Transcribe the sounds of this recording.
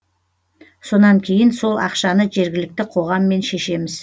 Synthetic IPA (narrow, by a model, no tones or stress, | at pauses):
so̞nɑŋkʲʰe̞jɪnso̞lˠɑ̰qʃɑnəʒe̞ɾɡʲɪlɪk̚t̪ɪqʰo̞ʁɑmːe̞nʃe̞ʃe̞mɪz